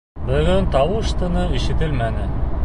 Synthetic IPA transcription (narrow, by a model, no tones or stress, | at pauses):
bɵ̆ɡɵnt̪ɑwɤʃt̪ɤ̆nɤiʃɘ̆t̪ɘlmænɘ